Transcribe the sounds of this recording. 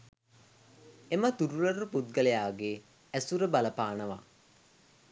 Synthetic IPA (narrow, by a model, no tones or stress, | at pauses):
emət̪uɾulɐruput̪̚ɡəlejaːɡe | æsuɾəbaləpaːnəʋa̰